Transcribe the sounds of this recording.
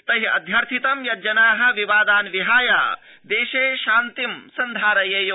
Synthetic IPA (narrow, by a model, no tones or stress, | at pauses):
t̪ɐɦiɐ̰d̪ʱjɐɾt̪ʰit̪ɐmjɐd͡ʒɐnaːɦɐ̆ʋiʋaːd̪aːnʋiɦaːjaː | d̪eːʃeːʃaːnt̪imsɐnd̪ʱaːɾɐjɐjoː